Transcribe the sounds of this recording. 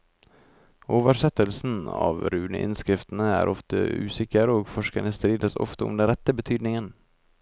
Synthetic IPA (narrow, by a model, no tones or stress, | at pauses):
ʔoːvəɾʂɛt̪ːəlsnɑ̰vɾʉːnə̰ʔɪ̰nskɾɪft̪ənəæ̰ɾʔɔft̪ə̰ʉ̰ːsɪkːəɾəɔkfɔʂkaɳəst̪ɾiːd̪əsɔ̰ft̪əɔ̰md̪ɛnɾɛt̪ːəbɛt̪ʰyːd̪nɪŋən